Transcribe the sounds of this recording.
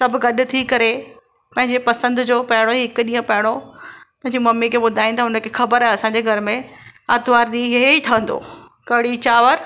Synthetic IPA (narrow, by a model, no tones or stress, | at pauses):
sɐbʱɡɐɗʊ̆t̪ʰikɐɾe | pɐ̃ɦɪ̃ɲd͡ʑepɐsə̃nd̪d͡ʑoːpɐɦɪɽ̃oɦɪkʊɗĩːə̃pɐɦɪɽ̃opɐ̃ɪ̃ɲd͡ʑemɐmːikʰeːɓʊd̪ʱaːĩnd̪aːɦʊnə̆kʰeːxɐbəɾaɦẽɐsãːɲd͡ʑeɡʱɐɾmẽaːd̪ʱʋaːɾɗ̪ĩɦɦeiʈʰɐə̃nd̪o̰ː | kɐɦɪɽit͡ɕaːʋəɾ